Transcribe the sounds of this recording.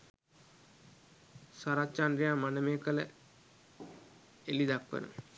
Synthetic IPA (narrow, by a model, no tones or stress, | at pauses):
saɾat͡ʃandɾijaːmanəmeːkələ̰ | elid̪akʋə̰nṵ